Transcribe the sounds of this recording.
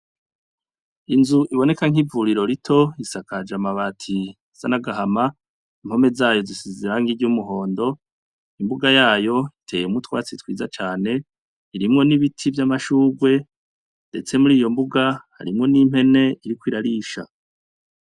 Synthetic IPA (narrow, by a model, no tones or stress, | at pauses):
inzuʔiβo̞ne̞kaŋ̥ivuɾiɾo̞ɾitʰo̞isakad͡ʒamaβaːtʰi | z̥anaɡaɦama | imho̞me̞zaːjo̞zisiziɾaŋɡiɾɟumuɦo̞ːndo̞ | imbuɡajaːjo̞itʰe̞jemutwaːt͡sitwḭːzat͡ʃaːne̞ | iɾimŋo̞niβitʰivjamaʃuːɡwe̞ | nde̞̰t͡se̞muɾiːjo̞mbuɡaha̰ɾimŋo̞nim̥he̞ne̞ʔiɾikwiːɾaɾiːʃa̰